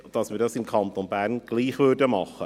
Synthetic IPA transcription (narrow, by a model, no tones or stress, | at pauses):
d̥ɑsmiːɾdɑsɪmkʰɑnt̪onbæːɾnɡ̥liːχvʏrdəmɑχə